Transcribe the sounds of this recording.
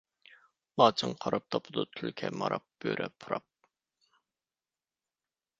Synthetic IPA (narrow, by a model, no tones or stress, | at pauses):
lˠɑːt͡ʃʰɨŋqʰɑɾɑp̚t̪ʰɑpʰʊd̪ut̪ʰylkʲʰɛmɑɾɑp̚b̥øɾʔɛpʰuɾɑp̚